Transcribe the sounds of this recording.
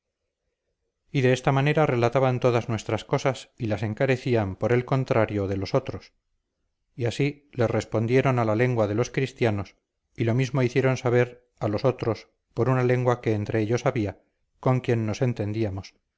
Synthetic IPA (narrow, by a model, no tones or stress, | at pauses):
iðe̞est̪amane̞ɾare̞lat̪aβant̪o̞ðaznwe̞st̪ɾasko̞sasilase̞ŋkaɾe̞θiampo̞ɾe̞lko̞nt̪ɾaɾjo̞ðe̞lo̞so̞t̪ɾo̞s | iasi | le̞sre̞spo̞nd̪jeɾo̞nalale̞ŋɡwaðe̞lo̞skɾist̪jano̞s | ilo̞mizmo̞iθjeɾo̞nsaβ̞e̞ɾ | alo̞so̞t̪ɾo̞s | po̞ɾunale̞ŋɡwake̞ːnt̪ɾe̞eʎo̞saβia | ko̞ŋkje̞nːo̞se̞nt̪e̞nd̪iamo̞s